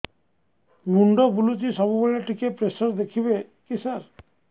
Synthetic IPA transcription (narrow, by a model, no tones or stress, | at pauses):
muɳɖɔbulut͡ʃisɔbubɔleʈʰikepɾesɔɾd̪ekʰibe | kisaɾ